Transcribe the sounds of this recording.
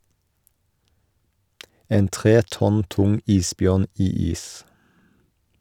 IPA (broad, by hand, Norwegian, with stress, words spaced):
ˈeːn ˈtʁeː ˈtɔn ˈtʊŋ ˈiːsˌbjœʁn ˈiː ˈiːs